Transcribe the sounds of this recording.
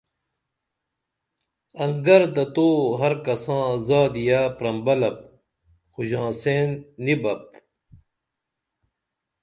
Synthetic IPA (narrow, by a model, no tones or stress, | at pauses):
ɐŋɡɐɾd̪ɐt̪oːɦɐɾkɐsãːzaːd̪ijaːpɾɐmbɐlɐp̚ | xuʑãːseːnːibɐp̚